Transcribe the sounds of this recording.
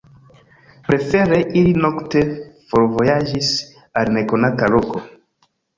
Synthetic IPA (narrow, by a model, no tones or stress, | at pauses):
pɾefeɾeʔilinɔktefoɾvojaʒis | aɾnekonakaloko